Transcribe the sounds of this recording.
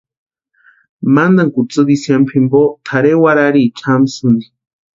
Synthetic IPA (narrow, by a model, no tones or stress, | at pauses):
mand̪aŋkut͡sɨβisjampʰimbot̪ʰaɾewaɾaɾit͡ʃʰamsund̪i